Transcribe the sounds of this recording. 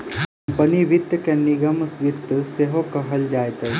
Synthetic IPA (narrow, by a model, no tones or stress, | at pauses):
ɐmpəniʋit̪ːəkeniɡəmsʋit̪ːəseɦokɐɦəld͡ʒaːjt̪ej